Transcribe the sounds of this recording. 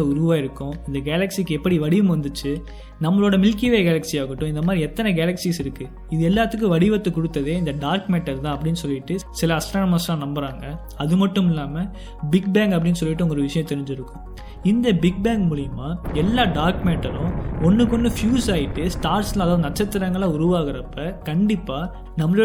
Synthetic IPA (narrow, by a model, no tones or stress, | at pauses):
ɐʊɾʊʋaːɪɾɯkːʊ̃ɪnd̪ɐɡeːlɐksikːɯɛpːɐɽiʋɐɽɪʋɯmʋɐnd̪ɯt͡ʃːɯ | nɐmːɐɭoːɽɐmɪlkiʋeːɡɛːlɐksiaːɣɯʈːʊ̃ɪnd̪ɐmaːd̪ɾiɛt̪ːɐnɛɡɛːlɐksisɪɾɯkːɯ | ɪðɯɛlːaːt̪ːɯk̬ːɯ̃ʋɐɽɪʋɐt̪ːɯkːʊɽɯt̪ːɐðeːɪnd̪ɐɖaːɾkmeːʈːɐɾt̪ãːɐpːɐɽɪnːɯsɔlːɪʈːɯsɪlɐːɐsʈɾoːnɐmaslãːnɐmbɐɾaːŋɡɐ | ɐðɯmɐʈːɯmɪlːaːmɐ | bɪɡ̚baːŋɡɐpːɐɽɪnːɯs̬ɔlːɪʈːɯɔŋɡɔɾɯʋɪʂɐjɐ̃t̪ɛɾɪɲd͡ʒɪɾɯkːʊ̃ | ɪnd̪ɐbɪɡ̚baːŋɡmuːɭɪjɐmaːɛlːaːɖaːɾkmeːʈːɐɾʊ̃ɔnːɯkːɔɳɖɯfjuːsaːjɪʈːɯsʈaːɾslɐ̃ɐðaːʋðɯnɐʈt͡ʃːɐt̪ːɪɾɐŋɡɐɭãːʊɾʊʋaːɣɪɾɐpːɐkɐɳɖɪpːaː | nɐmːɐɭː